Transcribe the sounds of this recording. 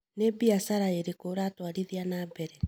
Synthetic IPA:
nebiasaɾaeɾekoɾaːtwaɾiðianaːbɛɾɛ

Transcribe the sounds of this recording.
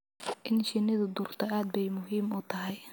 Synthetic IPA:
ʔɪnʃɪnɪðʊd̪ʊrt̪ʰɐaːd̪̚bɛjmʊɦiːmʊt̪ʰɐɦɛj

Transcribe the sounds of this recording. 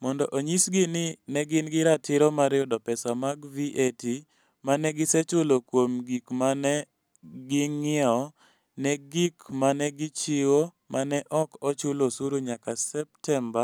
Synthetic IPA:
mɔndɔʔoɲisɡɪnɪnɛɡɪnɡɪɾatɪɾɔmaɾɪɔdɔpɛsamaɡviʔeti | manɛɡɪsɛt͡ʃʊlokwomɡikmanɛ | ɡɪŋɪɛɔ | nɛɡikmanɛɡɪt͡ʃɪwo | manɛʔɔkɔt͡ʃʊlosuɾuɲakasɛp̚tɛmba

